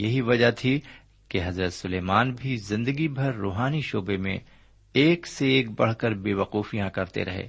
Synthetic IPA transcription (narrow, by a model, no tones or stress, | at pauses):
jɐɦiʋɐd͡ʒat̪ʰi | keɦɐzɾət̪sʊleːmaːnbʱizɪ̃nd̪əɡibʱɐɾːoːɦaːniʃoːbemḛ̃ | eːkseeːkbɐɽ̤kəɾbeːʋɐquːfijãkɐɾt̪ḛɾɐɦḛː